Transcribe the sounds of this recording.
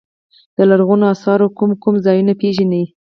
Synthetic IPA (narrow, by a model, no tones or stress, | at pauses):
d̪̥əlaɾɣunoɑsɑɾokumkumzɑjunapeʒanii